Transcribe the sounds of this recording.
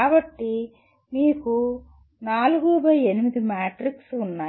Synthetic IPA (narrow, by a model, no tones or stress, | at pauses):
aːbɐʈːi | miːku | naːluɡuːbɐje̞nimid̪imaːʈɾiksunːaː